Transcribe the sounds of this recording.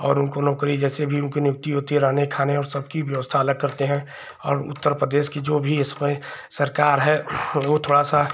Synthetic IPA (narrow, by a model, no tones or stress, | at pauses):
ɔːɾʊnkonɔːkɾid͡ʒɛːsebʱiʊnkinjʊk̚t̪iɦoːt̪iɦɛɾaːnekʰaːneɔːɾsɐb̚kiʋjəʋəst̪ʰaːləɡ̚kɐɾt̪eɦɛ̃ | ɔːɾʊ̰t̪ːəɾpɾəd̪eːʃkid͡ʒoːbʱiɪsmẽsəɾkaːɾɦɛʋot̪ʰoːɽasa